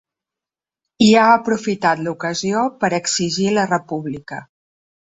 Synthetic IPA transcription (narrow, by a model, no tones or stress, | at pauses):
iaəpɾufit̪at̪lukəziopəɾəksiʒilərəpuβlikə